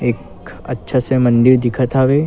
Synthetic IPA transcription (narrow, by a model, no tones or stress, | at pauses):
eːk | ɐ̰tːʃʰasemə̃nd̪iɾd̪ɪkʰət̪aːʋe